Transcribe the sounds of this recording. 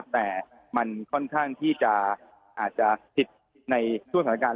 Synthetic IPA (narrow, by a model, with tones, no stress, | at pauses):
p̚t̪ɛː˨˩ | ma˧nkʰɔ˥˩nkʰaː˥˩ŋt̪ʰiː˥˩t͡ɕa˨˩ | ʔaː˨˩t̪̚t͡ɕa˨˩pʰi˨˩t̪̚ | na˧jt͡ɕʰu˥˩ŋsa˩˦˥kaː˧